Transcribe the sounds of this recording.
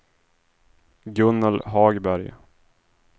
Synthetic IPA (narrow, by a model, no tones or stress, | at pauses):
ɡɵnːəlɦɑːɡbæɾj